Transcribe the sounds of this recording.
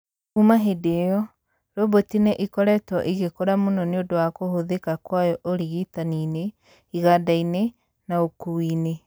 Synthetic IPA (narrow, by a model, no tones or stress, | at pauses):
humaɦedejɔ | ɾobotinɛʔikɔɾɛtɔʔiɣekoɾamonɔneodowakohoðekakwajɔʔoɾiɣitanine | iɣadaine | naokuwine